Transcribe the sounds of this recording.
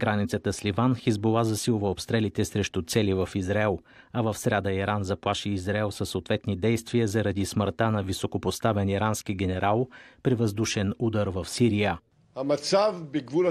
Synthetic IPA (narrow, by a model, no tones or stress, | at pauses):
ɡ̥ɾanit̪sət̪əslivanxizbolˠazɐsilˠʊvəopst̪ɾɛlit̪ɛsɾɛʃt̪ut̪sɛlivəfizɾaɛlˠ | ɐvəfsɾʲad̪əiɾanzɐplˠaʃiːzɾaɛlˠsəsːoːt̪vɛt̪nid̪ɛjst̪vijəzəɾɐd̪isməɾt̪anɐvisokopost̪avɛniɾanskiɡʲɛnɛɾʔalˠpɾɛvəzd̪uʃɛnud̪əɾvəfsiɾijə | ɐmɐsavbiɡvuɾə